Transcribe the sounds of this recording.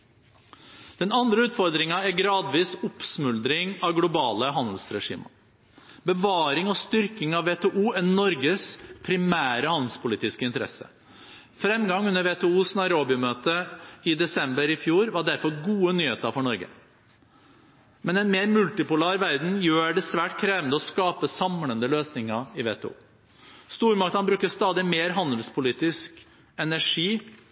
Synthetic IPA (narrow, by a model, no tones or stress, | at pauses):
d̪̥ɛnɑnd̪ɾəʉːt̪fɔɾd̪ɾɪŋɑæɾɡɾɑːd̪ʋiːsʊpsmʉld̪ɾɪŋɑʋɡlʊbɑːləɦɑnd̪l̩sɾɛʂḭːmə | bəʋɑːɾɪŋɔst̪ʏɾkɪŋɑʋːeːt̪ʰɛːʔuːɛnɔɾɡəspʰɾɪmæːɾəhɑnd̪l̩spʊliːt̪ɪskəɪnt̪əɾɛ̰sə̰ | fɾɛmɡɑŋʉnːəɾʋeːt̪ʰɛːuːsnɑɪɾoːbɪʊmøːt̪əɪd̪ɛsɛmbəɾɪfjuːɾʋɑɖæɾfɔɾɡuːənyːheːt̪əɾfɔɳɔɾɡə̰ | mɛnɛnmeːɾmʉlt̪ɪpʊlæːɾʋæɾd̪n̩jøːɖɛsʋæːʈkʰɾeːʋənd̪əɔskɑːpəsɑmlənd̪əløːsnɪŋəɪʋḛːt̪ʰɛ̰ṵː | st̪uːɾmɑk̚t̪hɑnbɾʉːkːəst̪ɑːd̪ɪmeːɾɦɑnd̪əlspʰʊliːt̪ɪsk | ɛnæʂiː